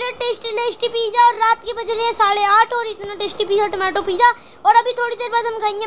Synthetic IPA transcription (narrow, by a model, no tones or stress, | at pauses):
ɾeʈeːsʈileːsʈipiːd͡ʒaɔːɾːaːt̪kebɐd͡ʒneẽsaːɽeaːʈʰɔːɾɪt̪naʈeːsʈipiːd͡ʒaʈʊmɛːʈopiːd͡ʒa | ɔːɾɐbʱit̪ʰoːɽid̪eːɾbaːd̪ʱɦɐmkʰaĩŋe